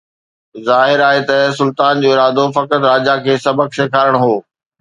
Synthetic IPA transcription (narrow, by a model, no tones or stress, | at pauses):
zaːɦɪɾaːɦet̪ɐsʊlt̪aːnd͡ʑoːɪɾaːd̪ofɐkət̪ɾaːd͡ʑakʰeːsɐbəkʃekʰaːɾəɽ̃ɦoː